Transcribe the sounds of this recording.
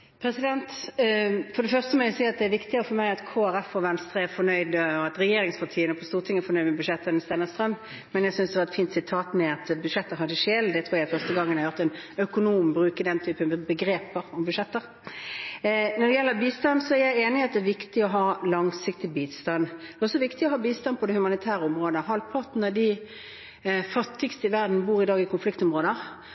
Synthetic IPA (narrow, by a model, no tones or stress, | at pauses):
pʰɾɛsɪd̪ɛnt̪ | fɔɾd̪ɛfœʁst̪əmɔæʊsiːɑt̪̚d̪ɛæɾʋɪkt̪ɪəəfɔɾmæɪɑt̪kʰoːæɾɛfɔʋɛnst̪ɾəæɾfɔnœʏd̪əɔɑt̪ɾɛjeːɾɪŋspʰɑt̪ʰiːənəpʰɔst̪uːʁt̪ʰɪŋːəɾfɔnœʏd̪mɛbʉʃɛt̪ːənst̪ɛːnəst̪ɾœmː | mɛnjæɪsʏnsd̪ɛʋɑɾɛt̪fiːnt̪sɪt̪ʰɑːt̪mɛɑt̪bʉʂɛt̪ːəɦɑd̪əʂeːld̪ɛt̪ʰɾuːjæɪfœʁst̪əɡɑŋːənɑjʊʁt̪ɛnœkʊnuːmbʁʉːkəd̪ɛnt̪ʰyːpənbəɡɾeːpəɾɔmbʉʂɛt̪ːəʁ | nɔd̪ɛjɛlːəbiːst̪ɑnsɔæɾjæɪeːnɪɑt̪̚d̪ɛʋɪkt̪ɪɔɦɑːlɑŋsɪk̚t̪ɪbiːst̪ɑnd̪ɛɔsɔʋɪkt̪ɪɔɦɑːbiːst̪ɑnpʰɔd̪ɛhʉmɑnɪt̪ʰæːɾəɔmʁoːd̪əɦɑlpʰɔt̪nəd̪ɪ | fɑt̪ːɪɡst̪əɪʋæʁd̪n̩buːɾɪd̪ɑːɡɪkʰʊnflɪkt̪ɔmʁoːd̪ə